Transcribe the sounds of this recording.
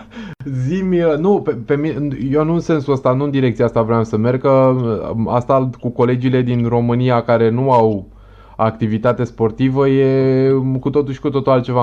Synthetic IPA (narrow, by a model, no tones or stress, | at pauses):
zimʲənupepe̞mineje̞nuɨnse̞nsuəst̪anuɨnd̪iɾekt̪siaast̪avɾeamsəme̞rɡkə | a̰st̪akuko̞le̞d͡ʒile̞d̪inro̞mɨnijakaɾe̞nuaw | akt̪ivit̪at̪e̞spo̞rt̪ivəje̞kut̪o̞t̪uʃʲkut̪o̞t̪ulalt̪t͡ʃe̞va